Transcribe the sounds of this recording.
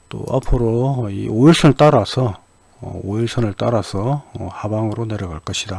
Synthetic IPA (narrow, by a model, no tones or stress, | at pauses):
t͈o̰a̰pʰɯɾoḭoiɭsʰʌnɯɭt͈aɾasʰʌ | ʌ̰oiɭsʰʌnɯɭt͈aɾasʰʌʌhabaŋɯɾone̞ɾʌɡaɭk͈ʌɕʰida